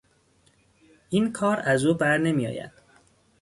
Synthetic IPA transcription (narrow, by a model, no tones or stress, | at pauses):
ʔiːnkʰɒːɾæzuːbæɾne̞mijɒ̰ːjæ̰d̪̥